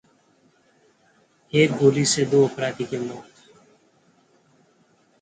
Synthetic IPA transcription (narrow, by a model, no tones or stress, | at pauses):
eːk̚bʱoːliːseːd̪oːəpɾaːd̪iːkeːmoːt̪